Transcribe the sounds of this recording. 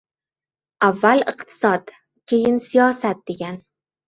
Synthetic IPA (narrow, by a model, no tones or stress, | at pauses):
avːalɨqt̪ʰɪ̥sɒd̪ | kʲʰe̞jɪnsijɒsat̪̚d̪e̞ɡʲan